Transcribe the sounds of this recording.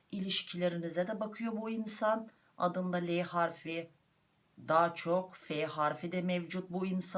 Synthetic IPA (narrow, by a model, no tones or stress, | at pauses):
ilʲiʃcʰilʲe̞ɾinizɛd̪ɛbakʰɯjo̞buinsan | a̰d̪ɯnd̪alʲehaɾfi | d̪aːt͡ʃʰo̞kfeɦaɾfid̪ɛmɛvd͡ʒut̪̚buins